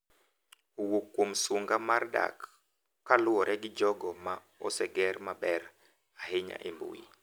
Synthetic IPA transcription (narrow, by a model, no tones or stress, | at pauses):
owokːwomsoŋɡamarda̰kː | alʊɔɾɛɡɪd͡ʒɔɡɔma | ɔsɛɡɛrmabɛɾ | aɦeɲa̰ʔembo̰jḭ